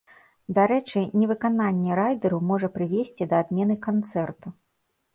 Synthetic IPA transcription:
d̪aɾɛt͡ʂɨnʲɛvɨkananʲːɛɾajd̪ɛɾumɔʐɐpɾɨvʲesʲt͡sʲid̪ɐːd̪mʲɛn̪ɨkant̪sɛrt̪u

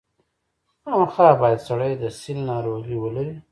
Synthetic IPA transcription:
amxabɑjad̪saɽəjd̪əsilnɑɾoɣiwəlaɾi

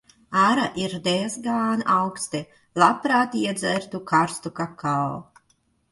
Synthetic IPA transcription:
aɾaʔiɾd̪ezɡaːnawkst̪i | lˠapɾaːt̪iɛd̪zɛɾt̪ukaɾst̪ukakʰal

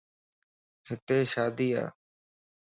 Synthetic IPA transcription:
hɪt̪eːʃaːd̪iːa̰ː

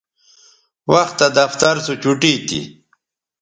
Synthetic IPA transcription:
waxt̪ːad̪aft̪aɾsut͡ɕuʈiːt̪ḭ

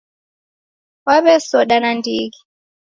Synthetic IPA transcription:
waβɛsɔɗanandiɣi

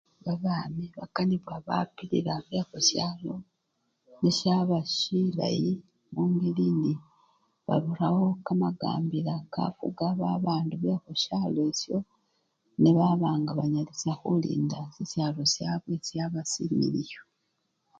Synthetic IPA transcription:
βaβaːmeβakaniβwaβa̰piɾiɾaβexosjaːlo̞ | nesjaβaʃila̰ji | muːŋɡeliːndi | βa̰ɾuɾawo̞kamaɡa̰ːmbiɾaka̰fuɡaβaβaːnduβexoʃaːlesjo̞ | neβaβaːŋɡaβaɲalisaxulḭːndasesjalo̞sjaːβwe̞sjaβasimḭɾijo

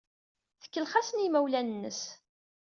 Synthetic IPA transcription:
θə̥kːəlχasənimæwlænənːə̰s

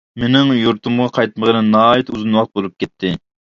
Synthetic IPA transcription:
menɪŋjuɾt̪umʁɑqʰɑjt̪̚məʁənɨnːɑːit̪uzɨnwɑqt̪̚bolˠup̚kʲʰɛt̪ʰːɪ

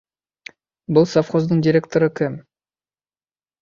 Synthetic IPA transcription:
bʊlˠsafχo̞zd̪əɴdʲɪɾʲe̞k̚t̪oɾəkʲʰɵm

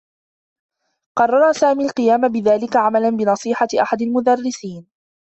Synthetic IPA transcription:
qɑrˤːɑɾˤasaːmiːlqɨjaːmabɪðaːlɪkaʕamalanbɪnɑsˤiːħaʔaħad̪almʊd̪arːɪsiːn

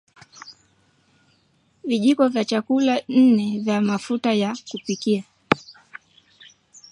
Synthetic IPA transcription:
viʄikɔvjat͡ʃakulan̩nɛvjamafutajakupikia

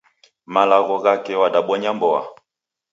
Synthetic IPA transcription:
malaɣɔɣakɛwadaɓɔɲambɔa̰

